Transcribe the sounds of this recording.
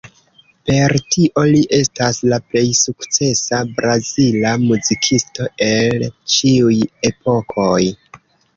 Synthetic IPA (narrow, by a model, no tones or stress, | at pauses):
pe̞ɾtiʔo̞liʔe̞staslaple̞jsukt͡se̞sabɾazilamuzikʰisto̞e̞lt͡ʃiuje̞po̞kʰo̞j